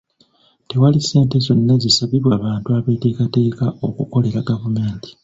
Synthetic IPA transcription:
te̞walise̞ːntezo̞nːazisaβiβwaβaːntuaβeːte̞ːkate̞ːkaʔo̞kuko̞le̞ɾaɡavume̞ːnti̥

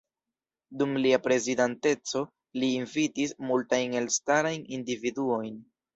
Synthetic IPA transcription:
dumliapɾe̞zidante̞t͡so̞ | liːnvitismultajne̞lstaɾajnindividuo̞jn

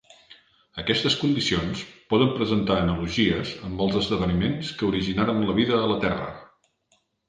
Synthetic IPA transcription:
əkɛst̪əskund̪isionspɔðəmpɾəzənt̪aːnəluʒiəzəmbəlˠzəzðəβənimenskəuɾiʒinaɾənləβiðəːlət̪ɛrə̰

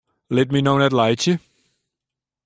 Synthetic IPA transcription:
lɛt̚minõʊnətˡlaɪt͡ʃi

